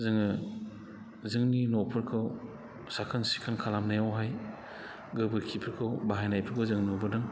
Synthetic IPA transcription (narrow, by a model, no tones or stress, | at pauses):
zɯŋɯ | zɯŋninɔpʰɯɾkʰɯw | sakʰansi̥kʰankʰalamnajawɦaj | ɡɯbɯɾkʰipʰɯɾkʰɯwbaɦajnajpʰɯɾbʰɯzɯŋnɔbɯdɯŋ